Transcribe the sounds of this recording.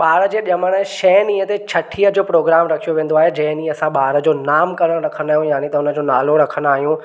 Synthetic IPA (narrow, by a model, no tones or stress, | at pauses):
ɓaːɾəd͡ʑeːɗjɐməɽ̃əʃɛːnĩːə̃t̪et͡ɕʰɐʈʰiəd͡ʑoːpɾoːɡɾaːmɾɐkʰijoʋẽːn̆d̪oaːɦed͡ʑɐ̃ɦɪ̃niːɐsãɓaːɾə̆d͡ʑoːnaːmkɐɾəɽ̃ɾɐkʰəɽ̃aːɦijũjaːɽ̃it̪ɐʊnə̆d͡ʑoːnaːloɾɐkʰəɽ̃aːɦijũ